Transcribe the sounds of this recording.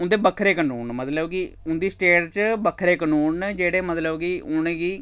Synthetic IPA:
ʊnd̪eːbəkʰːɾeːkənuːnmət̪ləbɡiːʊnd̪iːsʈeːʈt͡ʃbəkʰɾeːknuːnd͡ʒeːɽeːmət̪ləbɡiːʊñẽːɡiː

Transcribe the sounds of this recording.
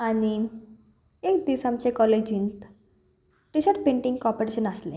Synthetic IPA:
aɽ̃i | ekd̪isamt͡sekɔled͡ʑĩnt̪ | ʈiɕəɾʈpẽɳʈiŋɡkɔpoɾeɕənəslḛ̃

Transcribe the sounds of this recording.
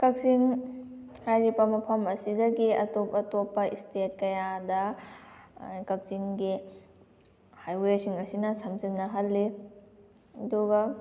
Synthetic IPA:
kɐk̚siŋ | hajɾipɐmɐpʰɐmɐsidɐɡiɐtopɐtopːɐʔistet̚kɐjadɐ | kɐk̚siŋɡi | hajwesiŋɐsinɐsɐmzɐnːɐɦɐlːi | ɐduɡɐ

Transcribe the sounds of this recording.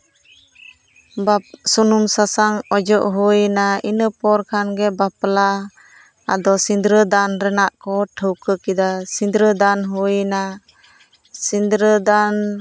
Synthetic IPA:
basunumsasaŋɔd͡ʒɔʔɦujnainəpɔɾkʰanɡɛbapla | a̰d̪ɔsind̪ɾəd̪anɾɛnaʔkɔʈʰəwkəkid̪asind̪ɾəd̪anɦujna | sind̪ɾəd̪an

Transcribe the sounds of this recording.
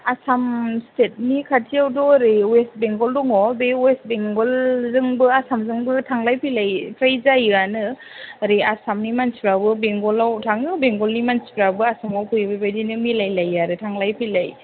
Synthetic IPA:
asamstet̚nikʰatʰijawdɔɾewest̚beŋɡɔldɔŋɔbewest̚beŋɡɔlzɯŋbɯasamzɯŋbɯtʰaŋlajpʰilajpʰɾajzajanɯ | ɾeasamnimansipɾabɯbeŋɡɔlawtʰaŋɯbeŋɡɔlnimansi̥pɾabɯasamawkʰɯjbabajdinɯmilajlajaɾɯtʰaŋlajpʰilaj

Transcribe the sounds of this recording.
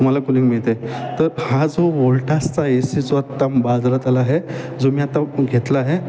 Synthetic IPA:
t̪um̤alakunikmiɭt̪et̪əɾhãd͡zoʋoɭʈʰast͡saesid͡zoat̪ːambad͡zɾat̪alaɦed͡zomiat̪aɡʱet̪laɦe

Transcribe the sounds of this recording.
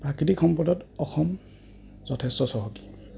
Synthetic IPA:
pɹakɹitikxɔmpɔdɔtɔxɔm | zɔtʰɛstɔsɔɦoki̥

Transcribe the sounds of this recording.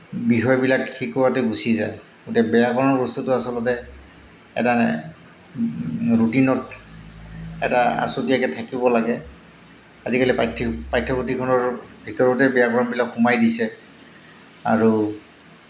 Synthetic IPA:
bixɔjɔbilakxikɔwatɛɡusizaj | ɡutɛbɛjaɡɔɹɔnɔɹɡɔstɔtʊasɔlɔtɛ | ɛ̰tanɛ̰ | ɹutinɔt | ɛ̰taa̰sodijakɛtʰakibɔlaɡɛ | azikalipatʰpajtʰːɔpɔtikʰɔnɔɹbʱitɔɹɔtɛbɛjaɡɔɹɔnbilakxumajdisɛ | a̰ɹu

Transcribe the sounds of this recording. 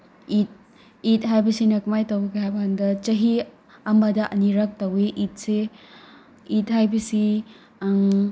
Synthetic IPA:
it̚ | it̚ɦajbɐsinɐkmajtowbɐɡeɦajbɐandɐt͡ʃɐɦi | ɐmɐdɐʔɐniɾɐk̚tɐweʔit̚se | it̚ɦajbɐsi

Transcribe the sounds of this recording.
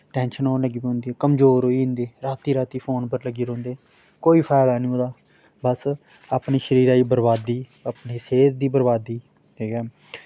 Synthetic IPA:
ʈɛːnʃənoːnləɡiːbiɦʊ̃nd̪iːɛːkəmzoːɾɦoːiːɦʊ̃nd̪eːɾaːt̪iːɾaːt̪iːpʰoːnpəɾləɡiːɾõːnd̪eː | koːiːpʰɛːd̪aːnĩːoːd̪aː | bəs | apniːʃəɾiːɾaːiːbəɾbaːd̪iːəpniːseːt̪̚d̪iːbəɾbaːd̪iː | ɦiːkɛː

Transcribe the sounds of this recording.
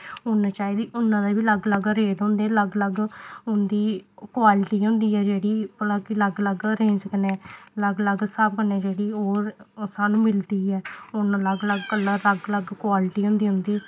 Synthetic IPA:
ʊnat͡ʃaːiːd̪iːʔʊnːãːd̪aːbiːləɡləɡɾeːd̪õːnd̪eːɛːləɡləɡʊnd̪iːkwaːlɪʈiːɦʊ̃nd̪iːɛːd͡ʒeːɽiːpəlãːkiləɡləɡɾẽːsəknɛ̃ːləɡləɡsabkənɛ̃ːd͡ʒeːɽiːoːɾsaːnũːmɪld̪iːɛːʊnləɡləɡkəlːaːləɡləɡkʊwaːlɪʈiːɦʊ̃nd̪iːɦʊ̃nd̪iː

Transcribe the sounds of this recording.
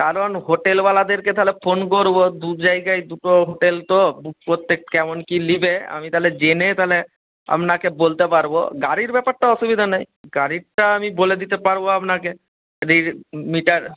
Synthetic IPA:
kaɾonɦoʈelbalad̪eɾket̪aɦlefʰonkoɾbod̪ud͡ʑajɡajd̪uʈoɦoʈelt̪obpɾot̪ːek̚kɛmonkilibea̰mit̪aɦled͡ʑenet̪aɦle | a̰mnakebolt̪epaɾbo̰ɡaɾiɾbɛpaɾʈaɔʃubid̪ʱanaj | ɡaɾiʈaamiboled̪it̪epaɾboapnake | ɾiɾmiʈaɾ

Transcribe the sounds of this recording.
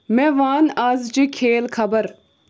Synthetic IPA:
mẽʋaːnaːzd͡ʒikʰeːlkʰɐbəɾ

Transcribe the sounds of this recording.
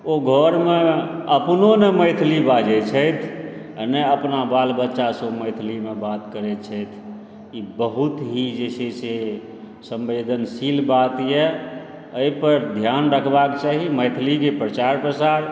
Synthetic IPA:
oɡʱɔɾmeəpnoneməɪt̪ʰlibad͡ʒɛt͡ʃʰəjt̪ʰ | nɛəpnabalbətːʃasoməɪt̪ʰlimebat̪kəɾɛt͡ʃʰəjt̪ʰ | ibəɦut̪ɦid͡ʒesese | sə̃mbed̪ənsilbat̪jɛ | əipəɾd̪ʱjanɾəkʰbakt͡ʃaɦiməɪt̪ʰlikepɾət͡ʃaɾpɾəsaɾ

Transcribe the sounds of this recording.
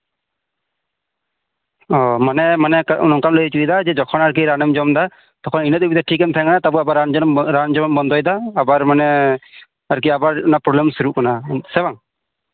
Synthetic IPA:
ɔmanɛmanɛkaṵnɔŋkanlɔit͡ʃuid̪ad͡ʒɛd͡ʒɔkʰɔnaɾk̬iɾanɛmd͡ʒɔmd̪a | t̪ɔkʰɔninət̪ubid̪ʈʰikːɛnt̪ʰɛŋkanat̪abɔabaɾand͡ʒɔnɔmɾand͡ʒɔmɔmbɔnd̪ɔjd̪aːbaɾmanɛ | aɾk̬iabaɾɔnapɾɔblɛmsuɾuʔkanasɛbaŋ

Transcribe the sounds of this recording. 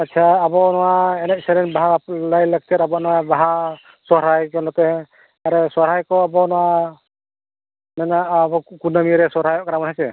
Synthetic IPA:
atːt͡ʃʰaːbɔnɔwaɛnɛʔsɛɾɛnbaɦalajlaɡ̚tɛɾabɔnɔwabaɦa | sɔɾajkɔnɔtɛ | aɾɛsɔɾajkɔabɔnɔwa | mɛnabɔkunamiɾɛsɔɾajɔʔkaɾamɔthasɛ

